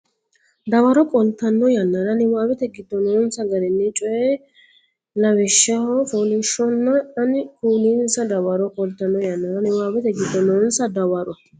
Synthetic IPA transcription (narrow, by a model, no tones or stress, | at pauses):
d̪ɐwɐɾɔkʼɔlt̪ːɐnːɔjɐnːɐɾɐnɪwaːwɛt̪ɛɡɪd̪ːɔnonsɐɡɐɾɛnːɛt͡ʃʼɔjɛ | lɐwɛʃːɐhɔfoːlɪʃɔnːɐɐnɪkuːninsɐd̪ɐwɐɾɔkʼɔlt̪ːɐnːɔjɐnːɐɾɐnɪwaːbɛt̪ɛɡɪd̪ːɔnɔnsɐd̪ɐwɐɾɔ